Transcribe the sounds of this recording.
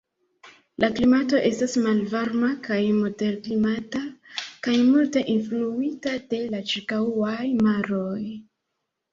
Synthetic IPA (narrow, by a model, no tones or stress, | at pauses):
laklimato̞ʔe̞stasmalvaɾmakajmo̞de̞ɾklimatakajmulte̞ʔinfluitade̞lat͡ʃiɾkaajmaɾoj